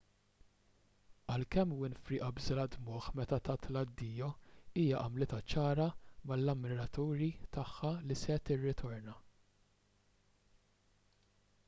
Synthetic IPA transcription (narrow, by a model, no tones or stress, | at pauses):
ɐlkɛmːwɪnfɾiʔɐbzɪlɐd̪mʊħmɛt̪ɐt̪ɐt̪lɐd̪ːiːjɔiːjɐʔɐmlɪt̪ɐt͡ʃɐːɾɐmɐlːɐmːɪɾɐt̪uːɾit̪ɐħːɐlisɛt̪ɪrːɪt̪ʰɔɾnɐ